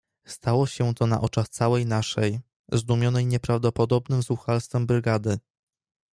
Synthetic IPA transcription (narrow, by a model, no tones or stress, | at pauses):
st̪awɔɕɛt̪ɔna̰ʔɔt͡ʂaxt̪sawɛjnaʂɛj | zd̪umʲjɔnɛjɲɛpɾavd̪ɔpɔd̪ɔbnɘmzuxalst̪fɛmbɾɘɡad̪ɘ